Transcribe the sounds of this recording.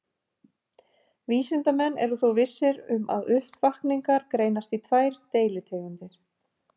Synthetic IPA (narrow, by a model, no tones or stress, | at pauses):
viːsɪnt̪amɛnːɛ̰ɾðuθowvɪsːɪɾʏmʔa̰ðʏhpvahkniŋkaɾkɾeːjnast̪it̪ʰvaːjɾ̥t̪eːjlɪt̪ʰɛːɣʏnt̪ɪɾ̥